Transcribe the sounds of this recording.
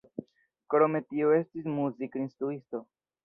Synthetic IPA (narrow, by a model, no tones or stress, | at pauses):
kɾome̞tio̞e̞stismuzikinstɾuisto̞